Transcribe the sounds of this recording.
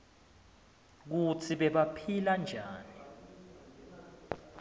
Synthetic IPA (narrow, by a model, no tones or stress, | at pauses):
k̬utʰiɓɛɓapʰiland͡ʒʱaːni